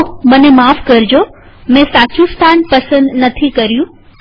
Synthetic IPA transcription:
mɐ̃nẽmaːfkɐɾɪd͡ʑoː | mɛ̃saːt͡ɕũst̪ʰaːnpɐsə̃nd̪nɐt̪ʰikɐɾijũ

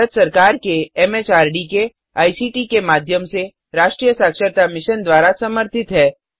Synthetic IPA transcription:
ət̪sɐɾkaːɾkeɛːmeːt͡ʃaːɾɖike | aːisiːʈikemaːd̪ʱjəmse | ɾaːʃʈɾijəsaːkʃəɾt̪amɪʃənd̪waːɾasɐməɾt̪ʰɪt̪ɦɛː

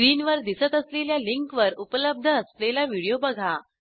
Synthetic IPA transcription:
ɾiːnʋəɾd̪isət̪əsleljaliŋkʋəɾupələb̚d̪ʱəːslelaʋiɽijobəɡʱa

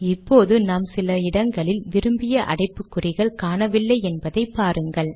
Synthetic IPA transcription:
ɪpːoːðɯnaːmsɪlɐɪɽɐŋɡɐɭɪlʋɪɾɯmbɪjɐʔɐ̰ɽɐɪpːɯkːɯrɪɣɐɭkaːɳɐʋɪlːɐɪɛnbɐðɐɪpːaːɾɯŋɡɐɭ

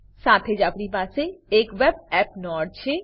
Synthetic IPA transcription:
saːt̪ʰed͡ʒapɾipaːseeːkʋebɛːp̚nɔːɖ̚t͡ʃʰe

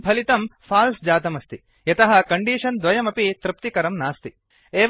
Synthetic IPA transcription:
bʰʱɐlit̪ɐmpʰaːlsd͡ʒaːt̪ɐmɐst̪i | jɐt̪ɐɦɐkɐɳɖiːʂɐnd̪ʋɐjɐmɐpit̪ɾɪp̚t̪ikɐɾɐmnaːst̪i | eːʋ

